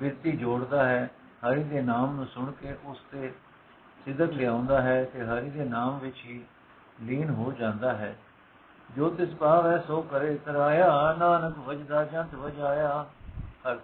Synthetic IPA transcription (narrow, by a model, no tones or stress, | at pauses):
bɪɾt̪iːd͡ʒoːɽd̪aːɦɛː | həɾiːd̪eːnaːmnũːsʊɳkeːʔʊst̪eː | sɪd̪əklɪãːʊ̃nd̪aːɦɛːt̪eːɦəɾiːd̪eːnaːmʋɪt͡ʃɦiː | liːnɦoːd͡ʒãːnd̪aːɦɛː | d͡ʒoːt̪ɪspaːʋɛːsoːkəɾeːt̪əɾaːjaːnaːnəkʋəd͡ʒd̪aːd͡ʒə̃nt̪ʋəd͡ʒaːjaːhəɾ